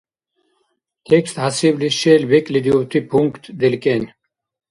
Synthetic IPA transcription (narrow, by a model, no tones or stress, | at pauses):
t̪ʰekst̪hasibliʃeːlbekʼlid̪iowt̪ʰipʰuŋkt̪d̪elkenʲ